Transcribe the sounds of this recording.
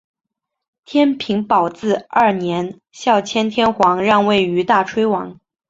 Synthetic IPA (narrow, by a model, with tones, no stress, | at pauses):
t̪ʰjɛ˥npʰi˧˥ŋpɑ˨˩ʊt͡sɹ̩˥˧ɐ˞˥˩njɛ˧˥n | ɕjɑ˥˩ʊt͡ɕʰjɛ˥nt̪ʰjɛ˥nxwɑ˧˥ŋɻɑ˥˧ŋwe˥˩ɪy˧˥t̪a˥˩ʈ͡ʂʰwe˥ɪwɑ˧˥ŋ